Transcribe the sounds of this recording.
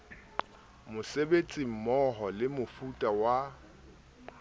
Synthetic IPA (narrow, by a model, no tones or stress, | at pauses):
mʊsebet͡sʼim̩mɔɦɔlɪmʊfutʼawa